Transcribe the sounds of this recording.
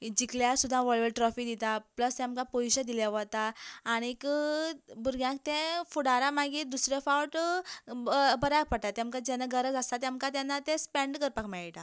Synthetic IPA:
d͡ʑikljasud̪ʱːãʋəɭʋəlʈɾɔfid̪it̪apləst̪jãmkapojɕəd̪iljaʋət̪aːɽ̃ik | buɾɡjãk̚t̪ẽfuɽaɾamaɡid̪usɾjefawʈ | bəɾak̚pəɽt̪at̪jãmkad͡ʑɛnaɡəɾəd͡zast̪at̪jãmkat̪janːat̪espɛ̃ɳɖkəɾpakmɛɭiʈ̪a

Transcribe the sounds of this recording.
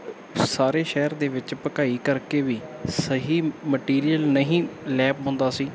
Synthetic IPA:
saːɾeːʃɛːɾd̪eːʋɪt͡ʃpəkaːiːkəɾkeːʋiːsəɦiːməʈiːɾijəlnəɦĩːlɛːp̚ɦʊ̃nd̪aːsiː

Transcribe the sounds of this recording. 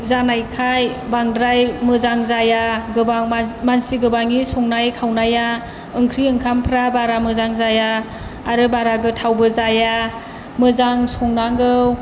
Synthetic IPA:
zanajkʰajbaŋdɾajmɯzaŋzajaɡɯbaŋmansiɡɯbaŋisɔŋnajkʰawnaja | ɯŋkʰɾiɯŋkʰampʰɾabaɾamɯzaŋzajaː | ɾɯbaɾaɡɯtʰawbɯzaja | mɯzaŋsɔŋnaŋɡɯw

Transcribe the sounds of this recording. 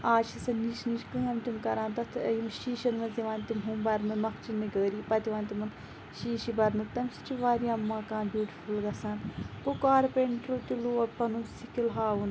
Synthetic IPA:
aːt͡ʃʰisɐniʃniʃkɨɐmt̪imkɐɾãːnt̪ɐt̪ʰəjimʃiːʃɐnmɐziʋaːnt̪imɦũmbɐɾnɨmɐkt͡ʃinːiɡəːɾiːpɐt̪iʋaːnt̪imɐn | ʃiːʃibɐɾnɨt̪ɐmsi̥t͡ʃʰiʋaːɾiɐmːaːkãːnbʲjuːʈi̥fulɡɐsɐnpokaːɾpeɳʈɾoːt̪iluːɐpɐnusikilɦaːun

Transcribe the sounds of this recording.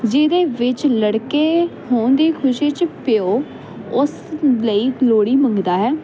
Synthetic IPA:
d͡ʒɪːd̪eːʋɪt͡ʃləɽkeːhoːnd̪iːkʰʊʃiːt͡ʃpɪoː | ʊs | ləiːloːɽiːmə̃ŋɡd̪aːɦɛː

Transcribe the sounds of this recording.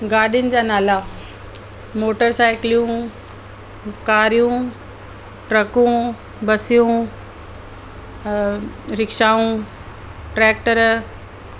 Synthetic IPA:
ɡaːɗjʊnɪ̆d͡ʑaːnaːla | moːʈəɾsaːɪklijũ | kaːɾijũ | ʈɾɐkũ | bɐsijũ | ɾɪkʃaːũ | ʈɾɛːk̚ʈəɾ

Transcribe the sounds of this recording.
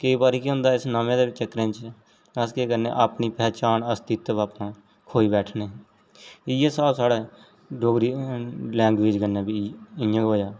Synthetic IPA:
kəiːbaːɾiːkiɦʊ̃nd̪aːɪsnaːmẽːd̪eːɪt͡ʃəkːɾẽːt͡ʃ | askeːkəɾnḛːʔaːpniːpɛːt͡ʃaːnəst̪ɪt̪ʋaːpnãː | kʰoːiːbɛːʈʰneː | ɪjãːsaːbsaːɽeː | ɖoːɡɾiːlɛ̃ːŋɡʋeːd͡ʒkənːaːbiɪjãːɡoːjaː

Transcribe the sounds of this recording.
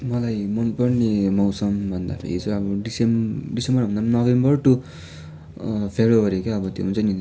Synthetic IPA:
mʌlajmʌnpʌrnimʌwsʌmbʱʌnd̪a̰pʰʌ̰ḭt͡sʌʌbʌɖisemɖisembʌrbʱʌnd̪anʌbʱembʌrʈu | pʰeɾobʌɾekeʌbʌt̪jo̰ɦunt͡sʌni

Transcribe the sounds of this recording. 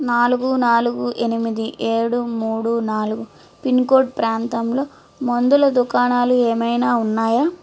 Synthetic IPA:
naːluɡunaːluɡuʔenimid̪iʔeːɽumuːɽunaːluɡu | pinkoːʈ̚pɾaːnt̪ɐmlo̞ː | mond̪ulɐd̪ukaːnaːlueːmɐjnaːunːaːjaː

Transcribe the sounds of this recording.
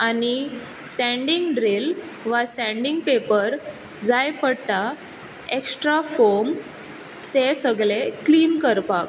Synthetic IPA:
añi | sɛ̃ɳɖiŋɡɖɾil | ʋasɛ̃ɳɖiŋɡ̚pepəɾ | d͡zajpəɽt̪a | eksʈɾafoɾm | t̪esəɡɭekliːnkəɾpak̚

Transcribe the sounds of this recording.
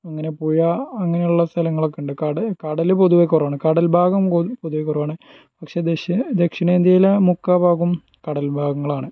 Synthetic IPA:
ɐŋːɐne̞puːjaɐŋːɐnejuɭːɐst̪ʰɐlɐŋːɐɭo̞kːeɳɖɨkɐɐkɐɽɐlɨpo̞ðuʋekʲːurɐʋaːɳɨkɐɽɐlbʱaːɡɐmopoðuʋekːurɐʋaːɳɨ | pɐkʂe̞ːd̪ed̪ekʂiɳeːnd̪jɐjilɐmukːabʱaːɡum | kɐɽɐlbʱaːɡɐŋːɐɭaːɳɨ

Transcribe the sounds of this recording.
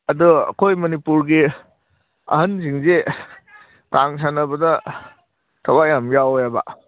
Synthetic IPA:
ɐduɐ̰kʰojmɐnipuɾɡi | ɐ̰ɦɐnsiŋze | taŋsanɐbɐdɐ | tʰɐwajamjawojaba̰

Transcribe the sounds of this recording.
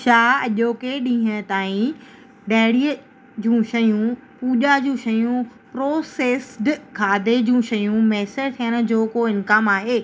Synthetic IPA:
ʃaːɐʄoːkeɗĩːɦə̃t̪aːĩ | ɖɐːɽiə | d͡ʑũːʃɐjũpuːʄad͡ʑũːʃɐjũpɾoːseːsɖkʰaːd̪ed͡ʑũːʃɐjũmɛːsəɾt̪ʰijəɽ̃ʊ̆d͡ʑoːkoɪnkaːmaːɦeː

